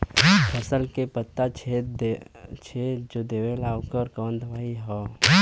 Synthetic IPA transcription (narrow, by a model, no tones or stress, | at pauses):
pʰəsəlkepət̪ːat͡ʃʰe | t͡ʃʰed͡ʒod̪eːʋelaːwkəɾkəːnd̪ʱʋaːiɦɔː